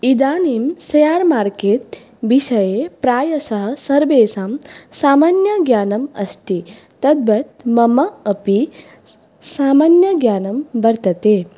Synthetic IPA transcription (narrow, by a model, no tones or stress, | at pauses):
id̪aːnimsɐjaːɾmaːɾkeːt̪̚ | ʋiʃɐjepɾaːjɐsɐɦɐ̆sɐɾʋeːsaːmsaːmaːnjɐɡjaːnɐmɐ̰st̪i | t̪ɐd̪̚bɐt̪mɐmɐːpi | saːmaːnjɐɡjaːnɐmbɐɾt̪ɐt̪eː